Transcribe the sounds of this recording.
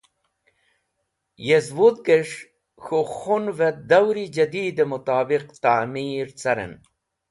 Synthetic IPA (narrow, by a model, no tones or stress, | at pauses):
jezwud̪̚ɡeʂ | xoxunvet̪̚d̪ɐwɾid͡ʑɐd̪iːd̪emut̪aːbiqt̪aːmiːɾt͡sɐɾḛn